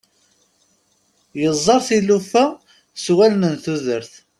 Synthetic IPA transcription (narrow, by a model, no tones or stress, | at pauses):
jəzˤːɑɾˤθilufæ | swælnənθuðəɾθ